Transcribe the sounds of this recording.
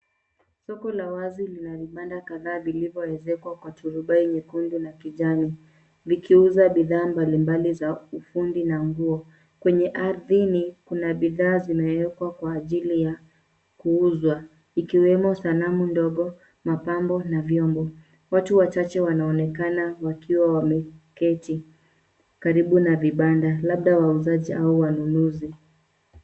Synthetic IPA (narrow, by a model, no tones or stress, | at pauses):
sɔkɔlawazilinaviɓandakaðaːvilivjɔɛzɛkwakwatuɾuɓaiɲikundunakiʄami | vikiuzaɓiðaːmbalimbalizaufundinaŋɡuɔ | kwɛɲɛʔaɾðinikunaɓiðaːzimɛwɛkwakwaːʄilija | kuuzwa | ikiwɛmɔsanamundɔɠɔ | mapambɔnavjɔmbɔ | watuwat͡ʃat͡ʃɛwanaɔnɛkanawakiwawamɛkɛti | kaɾiɓunaviɓandalaɓɗawauzaʄiʔauwanunuzi